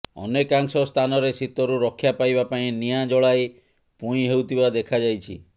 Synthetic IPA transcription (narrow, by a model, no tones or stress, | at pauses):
ɔ̰nekaŋsɔst̪ʰanɔɾesit̪ɔɾuɾɔkʰːjapajbapaĩnijad͡ʒɔɭaj | puĩɦewt̪ʰibad̪ekʰad͡ʒajt͡ʃʰḭ